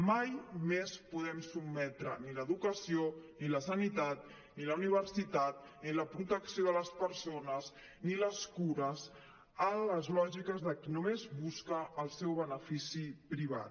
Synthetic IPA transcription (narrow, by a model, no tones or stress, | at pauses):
majmespuðɛmsubmɛt̪ɾə̰niləðukəsioniləsənit̪at̪ | niləuniβ̞ərsit̪at̪̚ | niləpɾut̪əksijoðələspəɾsonəz | niləskuɾəz | ələzlɔʒikəzðəkinumezβuskəːlˠsɛwβənəfisipɾiβ̞a̰t̪